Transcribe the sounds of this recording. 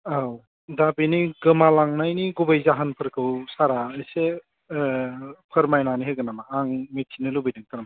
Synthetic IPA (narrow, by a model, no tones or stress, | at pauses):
aw | dabiniɡɯmalaŋnajniɡubajzaɦanpʰɯɾkʰɯwsaɾaɯjse | pʰɯɾmajnaniɦɯɡɯnamaːŋmet̚kʰinɯlubijdɯŋt̪ʰaɾama